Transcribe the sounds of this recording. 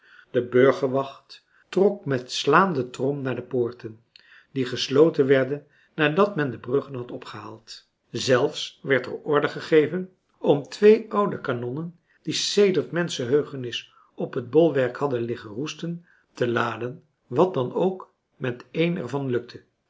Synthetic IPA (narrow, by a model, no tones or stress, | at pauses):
d̥əbøɹχəɹʋɑχt | rɔkmɛtslaːndətrɔmnaːɹdəpʊːɹtən | diχəslowtənʋɛɹdənː | aːdɑtmɛndəbrɵχənɦɑtɔpχəɦa̰ːlˠt | zɛlˠfsʋɛɹtə̰ɹɔɹdəχəχejvən | ɔmtʋejʌwdəkanɔnən | d̥isejdəɹtmɛnsəɦøɥχənɪs | ɔpɦəd̚bɔlˠʋɛɹkhɑdənlɪχənrustən | təlaːdən | ʋɑt̚dɑnowk | mɛtejnɛ̰ɹvɑnlɵk̚tʰə